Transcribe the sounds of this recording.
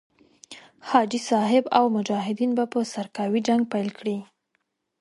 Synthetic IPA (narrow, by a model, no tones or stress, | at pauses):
hɑd͡ʒisɑɦɪbawmʊd͡ʒɑɦɪd̪inbapəsaɾkɑwid͡ʒaŋɡ̚pajlkɽi